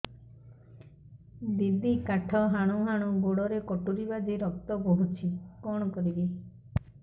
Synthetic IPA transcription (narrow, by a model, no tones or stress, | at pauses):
d̪id̪ʱikaʈʰɔɦaɽ̃uɦaɽ̃ũɡoɽɔɾekɔʈuɾibad̪iɾɔk̚t̪ɔboɦut͡ʃʰikɔɽ̃ɔkɔɾibi